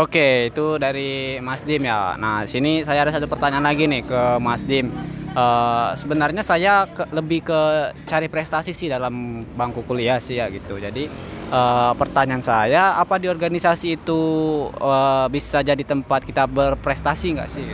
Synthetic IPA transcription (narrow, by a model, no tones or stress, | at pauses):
okeit̪udaɾimasdɪmja̰na̰hisinisajaɾəsadapərt̪aɲaanlaɡinɪhkəmasdɪmʔəsəbənarɲasajakələbɪhkət͡ʃaɾipɾɛst̪asisɪhdalambaŋkukuliasɪhjaɡit̪ud͡ʒadi | əpərt̪aɲaansajaːpadiɔrɡanisasiːt̪u | əbisad͡ʒadit̪əmpat̪̚kit̪abərpɾɛst̪asiŋɡa̰ʔsɪ